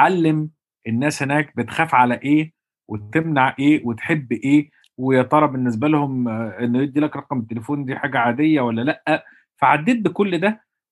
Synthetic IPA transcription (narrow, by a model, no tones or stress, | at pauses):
ʕalːem | ʔenːæːshenæːk̚bet̪xæːfʕalæʔeː | wet̪emnaʕʔeːwet̪ħebːʔeː | wejet̪ˤɑɾˤɑbenːes̬bælhomʔenːojed̪ːiːlækɾˤɑqɑmt̪ːelefoːnd̪iːħaːɡæʕaːd̪ejːæwælːælæʔːæ | fæʕad̪ːeːt̪̚bekolːd̪æ